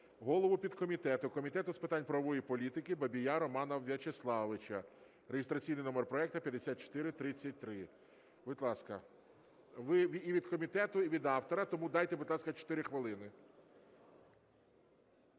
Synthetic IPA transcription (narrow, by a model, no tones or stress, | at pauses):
ɦɔlˠɔʋʊpʲid̪kɔmʲit̪ɛt̪ʊkɔmʲit̪ɛt̪ʊspɪt̪ɑnʲpɾɐʋɔjipɔlʲit̪ɪkɪbɐbʲijaɾɔmɑnɐwʋʲjʲɐt͡ʃeslˠɑʋɪt͡ʃɐ | ɾeɦɪst̪ɾɐt͡sʲijnɪjnɔmerpɾɔɛk̚t̪ɐpʲjɐd̪esʲat̪̚t͡ʃɔ̥t̪ɪɾɪt̪ɾɪt͡sʲːɐt̚ʲt̪ɾɪ | bɪd̪ʲlˠɑskɐ | ʋɪʋʲiiʋʲid̪kɔmʲit̪ɛt̪ʊiʋʲid̪ɑwt̪ɔɾɐt̪ɔmud̪ɑjt̪ɛbɪd̪lˠɑskɐt͡ʃɔ̥t̪ɪɾɪxʋɪlˠɪnɪ